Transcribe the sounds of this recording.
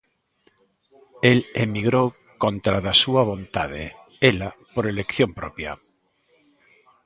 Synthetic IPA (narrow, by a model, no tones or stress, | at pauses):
elemiɣɾo | kont̪ɾaðasuaβ̞ont̪að̞ḛ | elapoɾelekθjompɾopja̰